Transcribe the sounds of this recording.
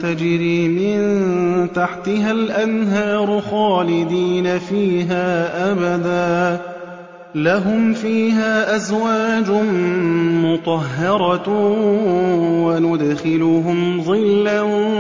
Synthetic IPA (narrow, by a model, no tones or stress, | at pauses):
t̪ad͡ʒɾiːmɪnt̪aħt̪ɪɦalʔanɦɑːɾˤxɑːlɪd̪iːnafiːɦaːʔabad̪aː | laɦʊmfiːɦaːʔazwaːd͡ʒʊ | mʊt̪ˤɑɦːɑɾˤɑ | wanʊd̪xɪlʊɦʊmðˤɨlːan